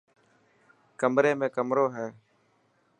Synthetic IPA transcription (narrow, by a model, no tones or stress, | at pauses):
kəmɾeːmẽːkəmɾoːɦɛː